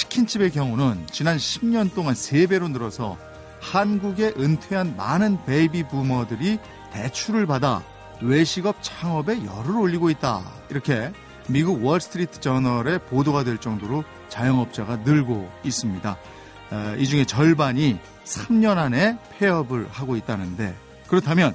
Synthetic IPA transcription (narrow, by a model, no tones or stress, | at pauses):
t͡ɕʰi̥kʰint͡ɕʰibe̞ɡjʌŋunɯnt͡ɕinanɕʰimɲʌnt͈oŋansʰe̞be̞ɾonɯɾʌsʰʌ̰ | hanɡuɡe̞ʔɯntʰweɦanmanɯnpeibipumʌdɯɾi | te̞t͡ɕʰuɾɯɭpada̰ | we̞ɕʰiɡʌp̚t͡ɕʰaŋʌbe̞jʌ̰ɾɯɾoʎːiɡoit̚t͈a̰ | iɾʌkʰe̞ | miɡuɡwʌɭsʰɯ̥tʰɯɾitʰɯ̥t͡ɕʌnʌɾe̞podoɡadwe̞ɭt͡ɕ͈ʌŋdoɾo | t͡ɕajʌŋʌp̚t͡ɕ͈aɡanɯɭɡois͈ɯmɲida̰ | id͡ʑuŋe̞t͡ɕʌɭbaɲi | sʰamɲʌnane̞pʰe̞ʌbɯɭhaɡoit̚t͈anɯnde̞̰ | kɯɾʌtʰamjʌn